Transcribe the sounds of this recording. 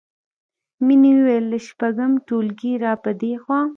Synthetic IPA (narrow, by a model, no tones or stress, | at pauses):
miniwwelːəʃpaɡəmʈolɡiɾɑpəd̪exwɑː